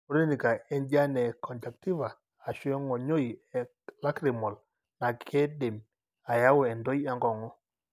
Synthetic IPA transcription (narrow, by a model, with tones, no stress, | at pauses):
u˨˦ɾi˦ni˨ka˨ɛ˦nd͡ʒa˦nɛ˨kʰɔ˨nta˨kti˦vaː˨ | ʃɛ˦ŋɔ˨ɲo˦ji˨ɛ˨ | la˦kɾi˨mɔ˨l | na˨kʰe˦de˨m | a˨ja˦wɛ˨ndo˦ja˦ŋɡɔ˨ŋɔ˦